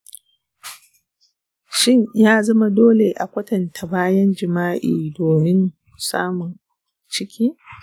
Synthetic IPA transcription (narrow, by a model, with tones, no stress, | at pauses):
ʃɪ˦ɲjaː˦zɐ˦ma˦doː˦le˨ʔa̰˨kʷɐ˦tɐ˨ntʰa˨baː˦jɐ˦nd͡ʒɪ˨maː˦ʔḭː˨doː˨mɪ˦n | sa̰ː˦mʊ˨n | t͡ʃɪ˦kʲʰiː˦